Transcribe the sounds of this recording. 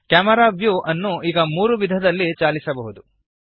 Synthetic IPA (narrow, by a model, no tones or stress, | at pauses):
kaːmɐɾaːʋjuʔɐnːuiːɡɐmuːɾuʋid̪ʱɐd̪ɐlːit͡ʃaːlisɐbɐɦud̪u